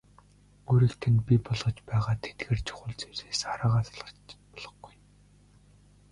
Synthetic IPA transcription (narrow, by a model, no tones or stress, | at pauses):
oːɾiːkt̪ʰɘ̆npʲipɔɮʁɞ̆t͡ɕpæːʁaːt̪ʰe̥t̪̚ɡeːrt͡ɕʰʊ̥χʊ̆ɮt͡seseːsaɾaːʁaːt͡sɮʁə̆t͡ɕpɔɮɞ̆χɡuj